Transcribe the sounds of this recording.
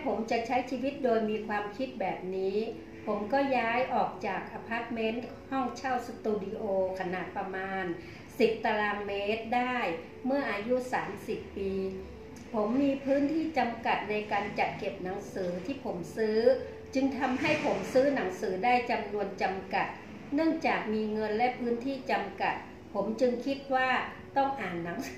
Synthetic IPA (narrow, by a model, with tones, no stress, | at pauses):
a˥˩pʰo˩˦mt͡ɕa˨˩t͡ɕʰa˦˥jt͡ɕʰiː˧wi˦˥t̪̚doː˧jmiː˧kʰwaː˧mkʰi˦˥t̪̚bɛː˨˩p̚niː˦˥ | pʰo˩˦mkɔː˥˩jaː˦˥jʔɔː˨˩k̚t͡ɕaː˨˩k̚ʔa˧pʰaː˦˥t̪̚me˦˥n | hɔ˥˩ŋt͡ɕʰa˥˩wsa˧t̪uː˧di˧ʔoː˧kʰa˧naː˨˩t̪̚pɾa˧maː˧n | si˨˩p̚t̪a˧ɾaː˧ŋmeː˦˥t̪̚daː˥˩j | mɯ˥˩ɐʔaː˧ju˦˥saː˩˦msi˨˩pːiː˧ | pʰo˩˦mːiː˧pʰɯː˦˥nt̪ʰiː˥˩t͡ɕa˧mka˨˩t̪̚na˧jkaː˧nt͡ɕa˨˩t̪̚ke˨˩p̚na˩˦ŋsɯː˩˦t̪ʰiː˥˩pʰo˩˦msɯː˦˥ | t͡ɕɯ˧ŋt̪ʰa˧mɦa˥˩jpʰo˩˦msɯː˦˥na˩˦ŋsɯː˩˦daː˥˩jt͡ɕa˧mnu˧ənt͡ɕa˧mka˨˩t̪̚ | nɯ˥˩əŋt͡ɕaː˨˩k̚miː˧ŋɤ˧nlɛ˦˥ʔpʰɯː˦˥nt̪ʰiː˥˩t͡ɕa˧mka˨˩t̪̚ | pʰo˩˦mt͡ɕɯ˧ŋkʰi˦˥t̪̚waː˥˩ | t̪ɔ˥˩ŋʔaː˨˩nːa˩˦ŋ